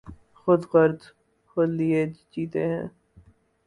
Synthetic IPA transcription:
xʊd̪qəɾd̪ | holied͡ʒd͡ʒiːt̪eɦɛ̰̃ː

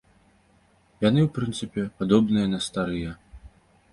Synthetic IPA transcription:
janɨwpɾɨnt̪sɨpʲɛpad̪ɔbnɨjɐnɐst̪aɾɨjɐ

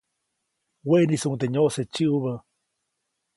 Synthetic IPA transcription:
wenisuŋt̪eɲoʔset͡ʃɨʔuβə

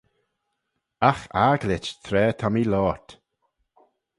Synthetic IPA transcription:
axaɡlɪt͡ʃt̪ʰɾɛːt̪ʰɔmilɔːt̪

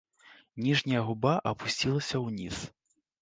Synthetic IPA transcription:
nʲiʐnʲɐjɐɣubaʔɐpusʲt͡sʲilˠɐsʲɐwnʲḭs

